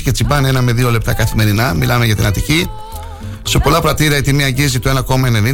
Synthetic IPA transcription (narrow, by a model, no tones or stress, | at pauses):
ce̞t͡simbɐnee̞nɐme̞ðio̞le̞p̚t̪ɐkɐθime̞ɾinɐmilɐme̞ʝɐt̪ḭnɐt̪ici | se̞po̞lɐpɾɐt̪iɾiɐit̪imiɐɲɟizit̪oe̞nɐko̞mɐeneni